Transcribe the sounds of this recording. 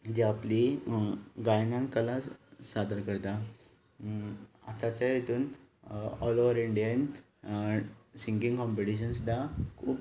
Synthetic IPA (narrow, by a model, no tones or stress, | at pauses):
d͡ʑeapli | ɡajnãŋkəlasad̪əɾkəɾt̪a | at̪ãt͡ɕajet̪uːn | ɔloʋəɾiɳɖijən | siŋkĩŋɡkɔ̃mpeʈiɕəns̬d̪akʰuːp